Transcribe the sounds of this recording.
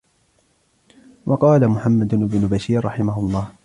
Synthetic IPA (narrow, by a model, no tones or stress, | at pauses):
wʔɑqɑːlamʊħamːad̪ʔɪbnʊbaʃiːɾːɑħɪmaɦʊlˤːɑːh